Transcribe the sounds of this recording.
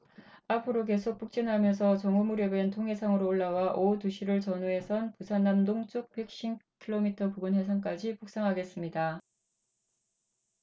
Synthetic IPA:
apʰɯɾok̬e̞sʰok̚p͈uk̚t͡ɕ͈inɦamjʌns̬ʰʌt͡ɕʌŋumuɾjʌbentʰoŋɦe̞sʰaŋɯɾoːɭːawaʔotuɕʰiɾɯɭt͡ɕʌnue̞sʰʌnpusʰanːamdoŋt͡ɕ͈uk̚pe̞k̚ɕ͈imkʰiɭomitʰʌpuɡunɦe̞sʰank͈ad͡ʑipuk̚s͈aŋɦaɡe̞s͈ɯmɲida

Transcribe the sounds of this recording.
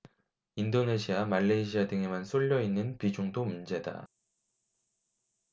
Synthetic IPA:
indone̞ɕʰiamaʎːeiɕʰiadɯŋe̞mans͈ʰoʎːʌinːɯnpid͡ʑuŋdomund͡ʑe̞da̰

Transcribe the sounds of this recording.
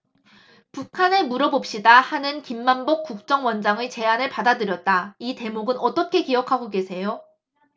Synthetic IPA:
pukʰane̞muɾʌbop̚ɕ͈idahanɯnkimːanbok̚k͈uk̚t͡ɕ͈ʌŋwʌnd͡ʑaŋɯt͡ɕe̞anɯɭpadadɯɾjʌt̚t͈aite̞moɡɯnʌt͈ʌkʰe̞kijʌkʰaɡoɡe̞sʰe̞jo

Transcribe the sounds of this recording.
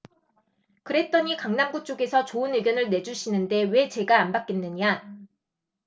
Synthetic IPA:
kɯɾe̞t͈ʌɲikaŋnamɡut͡ɕ͈oɡe̞sʰʌt͡ɕoɯnɯɡjʌnɯɭne̞d͡ʑuɕʰinɯnde̞we̞t͡ɕe̞ɡaːnbak͈e̞nːɯɲa

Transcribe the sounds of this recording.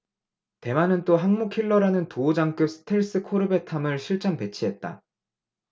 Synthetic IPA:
te̞manɯnt͈oɦaŋmukʰiɭːʌɾanɯntoːd͡ʑaŋk͈ɯp̚s͈ʰɯ̥tʰeɭs͈ɯkʰoɾɯbe̞tʰamɯɭɕʰiɭt͡ɕ͈aŋpe̞t͡ɕʰiɦe̞t̚t͈a̰

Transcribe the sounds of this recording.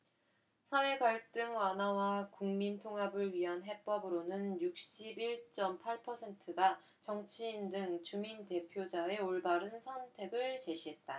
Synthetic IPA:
sʰawe̞ɡaɭt͈ɯŋwanɦawakuŋmintʰoŋɦabɯɭɥiɦanɦe̞p͈ʌbɯɾonɯnjuk̚ɕ͈ibiɭt͡ɕ͈ʌmpʰaɭpʰʌsʰe̞ntʰɯɡa | t͡ɕʌŋt͡ɕʰiːndɯŋt͡ɕuminte̞pʰjod͡ʑae̞oɭbaɾɯnsʰʌntʰe̞ɡɯɭt͡ɕe̞ɕʰiɦe̞t̚t͈a

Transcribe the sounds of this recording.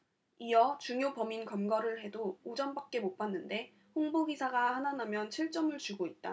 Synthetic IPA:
iʌt͡ɕuŋjopʌminkʌmɡʌɾɯɭɦe̞doːd͡ʑʌnbak̚k͈e̞mop͈anːɯnde̞ | ɸoŋbubisʰaɡahananamjʌnt͡ɕʰiɭt͡ɕ͈ʌmɯɭt͡ɕuɡoit̚t͈a̰

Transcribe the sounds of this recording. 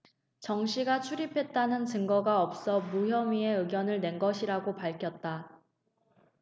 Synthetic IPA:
t͡ɕʌŋɕʰiɡat͡ɕʰuɾipʰe̞t̚t͈anɯnt͡ɕɯŋɡʌɡaʌp̚s͈ʌmuçjʌmie̞ɯɡjʌnɯɭne̞nɡʌɕʰiɾaɡopaɭkʰjʌt̚t͈a

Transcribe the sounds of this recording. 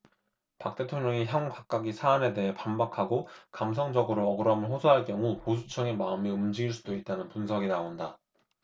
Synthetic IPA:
pak̚t͈e̞tʰoŋɲʌŋiçjʌŋkak̚k͈aɡisʰaːne̞de̞ɦe̞panbakʰaɡokams̬ʰʌŋd͡ʑʌɡɯɾoʌɡɯɾʌmɯɭɸosʰʌɦaɭk͈jʌŋuposʰu̥t͡ɕʰʌŋemaɯmeɯmd͡ʑiɡiɭs͈udoit̚t͈anɯnpunsʰʌɡinaonda

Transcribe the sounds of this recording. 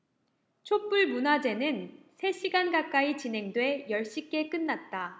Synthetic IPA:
t͡ɕʰop͈uɭmunad͡ʑe̞nɯnsʰe̞ɕʰiɡanɡak͈ait͡ɕinɦe̞ŋdwe̞jʌɭɕ͈ik͈e̞k͈ɯnːat̚t͈a

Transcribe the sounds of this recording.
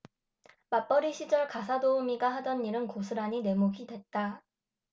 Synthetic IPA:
map͈ʌɾiɕʰid͡ʑʌɭkasʰadoumiɡaɦadʌnːiɾɯnkosʰɯɾaɲine̞moɡʰidwe̞t̚t͈a

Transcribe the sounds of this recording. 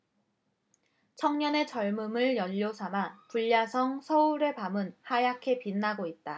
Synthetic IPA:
t͡ɕʰʌŋɲʌne̞t͡ɕʌɭmɯmɯɭjʌʎːosʰamapuʎːasʰʌŋsʰʌuɾe̞pamɯnhajakʰe̞pinːaɡoit̚t͈a

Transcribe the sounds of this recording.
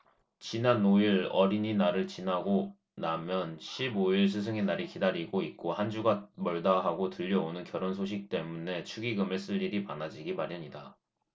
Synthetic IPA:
t͡ɕinanoiɾʌɾiɲinaɾɯɭt͡ɕinaɡo | namjʌnɕʰiboiɭsʰɯs̬ʰɯŋenaɾikidaɾiɡoit̚k͈ohand͡ʑuɡamʌɭdaɦaɡotɯʎːʌonɯnkjʌɾonsʰoɕ̬ʰik̚t͈e̞mune̞t͡ɕʰuɡiɡɯmɯɭs͈ɯʎːiɾipanad͡ʑiɡimaɾjaɲida

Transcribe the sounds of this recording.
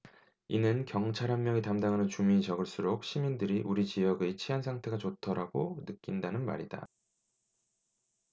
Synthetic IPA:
inɯnkjʌŋt͡ɕʰaɾɦanmjʌŋitamdaŋɦanɯnt͡ɕumiit͡ɕʌɡɯɭs͈uɾok̚ɕ͈ʰimindɯɾiʔuɾit͡ɕijʌɡet͡ɕʰiɦansʰaŋtʰe̞ɡat͡ɕotʰʌɾaɡonɯk͈indanɯnma̰ɾida̰

